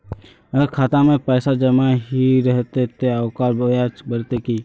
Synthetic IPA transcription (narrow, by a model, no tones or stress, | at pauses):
əkʰaːt̪amẽpɛːsad͡ʒəmaɦiɾɛɦt̪et̪ʰeaʊkaːɾbojat͡ʃbəɾt̪eki